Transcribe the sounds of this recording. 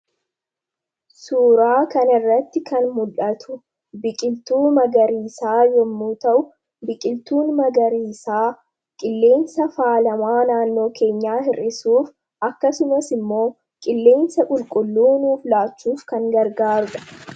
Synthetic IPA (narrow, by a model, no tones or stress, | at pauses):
suːɾaːkɐnɐɪrːɐt̪ːɪkɐnmʊlʔɐt̪ʰʊ̥ | bɪkʼɪlt̪uːmɐɡɐɾiːsaːjɔmːuːt̪ɐʔʊ | bɪkʼɪlt̪uːnmɐɡɐɾiːsaː | kʼɪlːe̞ːnsɐfaːlɐmaːnaːnːo̞ːke̞ːɲːaːhɪrʔɪsuːf | ʔɐkːɐsʊmɐsɪmːo̞ː | kʼɪlːe̞ːnsɐkʼʊlkʼʊlːuːnuːflaːt͡ʃːuːfkɐŋɡɐɾɡaːɾʊᶑɐ̥